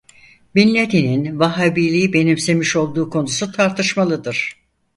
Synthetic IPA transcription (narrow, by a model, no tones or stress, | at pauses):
binlʲed̪ininvaɦabiːlʲijibe̞nimse̞miʃo̞lˠd̪uːkʰo̞nusut̪ʰaɾt̪ʰɯʃmalˠɯd̪ɯɾ̥